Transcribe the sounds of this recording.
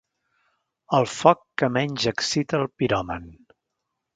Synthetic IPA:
əlˠfɔkːəmɛɲʲʒəksit̪əːlˠpiɾɔmən

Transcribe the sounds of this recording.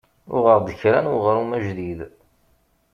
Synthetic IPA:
ʊ̰ʁəɾd̪əçɾænʊʁɾumæʒðið

